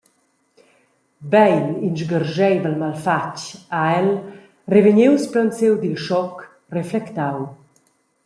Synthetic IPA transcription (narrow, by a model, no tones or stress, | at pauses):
bɛjninʃɡərʒɛjdəlmalfat͡ʃaɛl | reveɲewsplant͡sewd̪ilʃɔk | reflɛkt̪aw